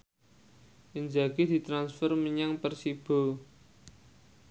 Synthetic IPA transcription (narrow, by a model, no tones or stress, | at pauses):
ʔəɲd͡ʒaɡ̥id̪̥i̤t̪ɾansfərməɲaŋpərsib̥o̤